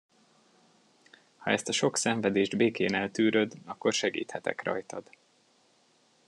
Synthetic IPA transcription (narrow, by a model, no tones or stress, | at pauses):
hɒɛst̪ɒʃo̞ksɛɱvɛd̪eːʒd̪beːkeːnɛlt̪yːɾø̞d̪ɒkːo̞rʃɛɡḭːt̪hɛt̪ɛ̰krɒ̰jt̪ɒd̪̥